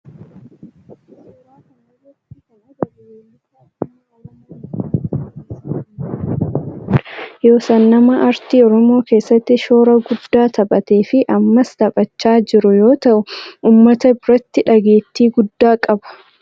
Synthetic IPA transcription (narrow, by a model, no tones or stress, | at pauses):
jo̞ːsɐnːɐmɐʔɐɾt̪iːɔɾɔmo̞ːke̞ːsːɐt̪ːɪʃo̞ːɾɐɡʊd̪ːaːt̪ɐbʼɐt̪e̞ːfɪʔɐmːɐst̪ɐpʼɐt͡ʃːaːd͡ʒɪɾʊjo̞ːt̪ɐʔʊʔuːmːɐt̪ɐbɾɐt̪ːɪᶑɐɡe̞ːt̪ːiːɡʊd̪ːaːkʼɐbɐ̥